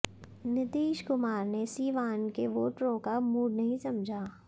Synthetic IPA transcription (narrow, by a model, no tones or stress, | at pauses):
nɪt̪iːʃkʊmaːɾnesiːʋaːnkeʋoːʈɾõkamuːɖnɐɦĩsɐmd͡ʒʱaː